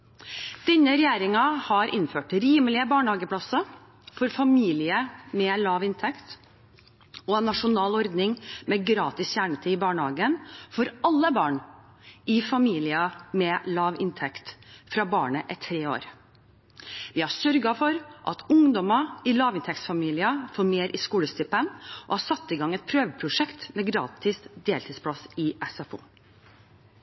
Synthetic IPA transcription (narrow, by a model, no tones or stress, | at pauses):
d̪̥ɛnːəɾɛjæːɾɪŋɑhɑɾʔɪ̰nføːʈɾiːməlɪəbɑːɳəhɑːɡəpʰlɑsɑ | fɔɾfɑmiːlɪəmɛːlɑːʋɪnt̪ʰɛkt̪ | ɔɛnːɑʂʊnɑːlɔɾd̪nɪŋmɛɡɾɑːt̪ɪsçæːɳət̪ʰiːɪbɑːɳəhɑ̰ːɡənfɔɾɑlːəbɑːɳ | ɪfɑmiːlɪɑmɛːlɑːʋɪnt̪ʰɛkt̪fɾɑbɑːɳəʔɛt̪ʰɾeːo̰ːɾ | ʋɪhɑsœɾɡɑfɔɾʔɑ̰t̪ʊŋd̪ɔmɑɪlɑːʋɪnt̪ʰɛk̚t̪sfɑmiːlɪəfoːɾmeːɾʔɪskuːləst̪ʏpənʔɔ̰hɑsɑt̪ːɪɡɑŋːɛɪt̪̚pʰɾøːʋəpʰɾʊʂɛkt̪mɛɡɾɑ̰ːt̪ʰɪsd̪eːlt̪ʰiːspʰlɑsɪʔɛsɑfṵː